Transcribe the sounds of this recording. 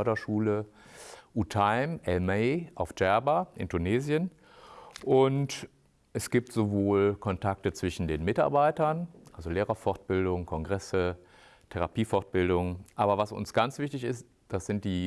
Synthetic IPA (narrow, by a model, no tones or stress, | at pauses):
dɐʃuːlə | ʔutʰaɪmʔɛlmeɪʔaʊfd͡ʒ̥ɛɐbaʔɪ̰ntʰuneːzjən | ʔʊnt | ʔɛsɡ̥iːp̚tz̥ovoːlkʰɔntʰak̚tət͡sv̥ɪʃn̩deːnmɪta̰ɐbaɪtɐnʔalzoleːʁɐfɔɐt̚b̥ɪldʊŋkʰɔŋɡʁɛsə | tʰɛʁapiːfɔʁt̚b̥ɪldʊŋʔaːbɐvasʊ̰nsɡ̥ant͡sv̥ɪçtɪçɪst | d̥asz̥ɪnt̚d̥iː